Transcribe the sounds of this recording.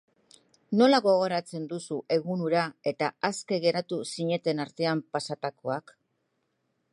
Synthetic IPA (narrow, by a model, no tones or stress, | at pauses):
no̞laɣo̞ɣ̞o̞ɾat͡se̞nd̪usuʔe̞ɣ̞unuɾae̞t̪aaske̞ɣe̞ɾat̪usiɲe̞t̪e̞naɾt̪e̞ampasat̪ako̞ak